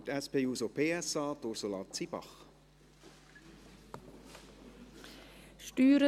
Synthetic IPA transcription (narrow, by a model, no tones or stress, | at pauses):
tæspeːuːsopʰeːɛsɑːt̪oɾsolɑt͡sibɑ̰χ | ʃtyːɾə